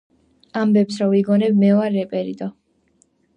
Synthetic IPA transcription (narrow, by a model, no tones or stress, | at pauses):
ambɛpsɾɔviɡɔnɛbmɛɔaɾɾɛpʼɛɾḭt̪ʼɔ